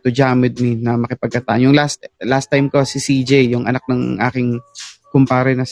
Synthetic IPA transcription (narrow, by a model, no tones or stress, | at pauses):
t̪ʊd͡ʒaːmɪd̪̚minɐmɐkɪpɐɡ̚kɐt̪a̰ːʔnjʊŋlast̪last̪ːajmkosɪsiːd͡ʒɛjːʊŋʔɐ̰nak̚nɐŋʔa̰ːkɪŋkʊmpaːɾɛnɐs